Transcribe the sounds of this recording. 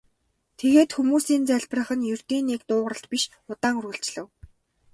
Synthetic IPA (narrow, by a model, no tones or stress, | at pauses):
t̪ʰeɣeːt̪xumuːsiːnt͡sæɮʲprə̆χə̆njɵr̥t̪iːnːikt̪ʊːʁə̆rə̆ɬt̪piʃ | ʊt̪aːŋɵrŭɬt͡ɕɮɘ̆w